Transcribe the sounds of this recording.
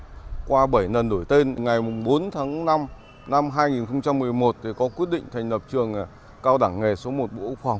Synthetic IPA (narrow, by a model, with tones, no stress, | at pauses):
kwaː˧ɓə˧˩jnə˨˩nɗo˧˩jt̪e˧n˨˩ŋa˨˩jmʊ˨˩ŋ͡mɓo˨˦nt̪ʰaː˨˦ŋna˧m | na˧mɦaː˧jŋi˨˩nxə˧wŋ͡mt͡ɕa˧mːɨ˨˩əjmo˨˩t̚t̪ʰi˨˩kɔ˨˦kwi˦˥t̚ɗḭ̈˧˨ŋ̟t̪ʰa˨˩jŋ̟lə˨˩p̚t͡ɕɨ˨˩əŋ˨˩ | kaː˧wɗaː˧˩ŋːe˨˩so˨˦mo˨˩t̚ɓo̰˧˥˦ʊ˦˥fa˨˧˩wŋ͡m